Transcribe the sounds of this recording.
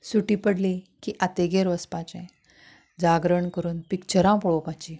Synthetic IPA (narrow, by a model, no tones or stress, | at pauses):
suʈipəɽlekiʔat̪eɡeɾʋəspãt͡ɕẽ | d͡zaɡɾəɳkəɾuːnpikt͡ɕəɾãpɔɭokãt͡ɕi